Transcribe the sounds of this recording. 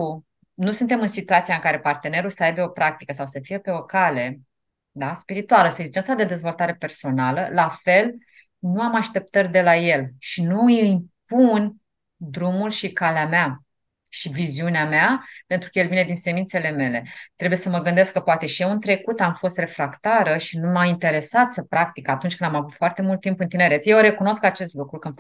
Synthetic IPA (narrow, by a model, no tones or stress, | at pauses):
u | nusɨnt̪e̞mɨnsit̪uat̪siaɨŋkaɾe̞part̪e̞ne̞ɾulsəajbe̞o̞pɾak̚t̪ikəsawsəfijepe̞o̞kale̞ | d̪aspiɾit̪ualəsəeɡzid͡ʒensad̪e̞d̪e̞zvo̞lt̪aɾe̞pe̞rso̞naləlafe̞l | nuamaʃt̪e̞p̚t̪ərʲd̪e̞laje̞lʃinujimp̚un | d̪ɾumulʃikaleamea | ʃiviziuneameape̞nt̪ɾukəjelvine̞d̪inse̞mint̪se̞le̞me̞le̞t̪ɾebuje̞səməɡɨnd̪e̞skːəpoat̪e̞ʃijewɨnt̪ɾe̞kut̪amfo̞st̪re̞fɾakt̪aɾəʃinumaint̪e̞ɾe̞sat̪səpɾak̚t̪ikat̪unt͡ʃkɨnd̪amavut̪foart̪e̞mult̪ːimpɨnt̪ine̞ɾet̪sʲjewɾe̞kuno̞skat͡ʃe̞st̪lukɾukɨn